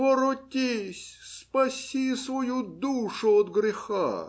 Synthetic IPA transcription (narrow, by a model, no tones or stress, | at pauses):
oɾʊtʲisʲspɐsʲisvɐjud̪uʂʊɔd̪ɡɾʲɪxa̰